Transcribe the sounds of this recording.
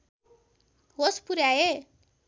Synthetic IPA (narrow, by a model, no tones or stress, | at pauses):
ɦospuɾjae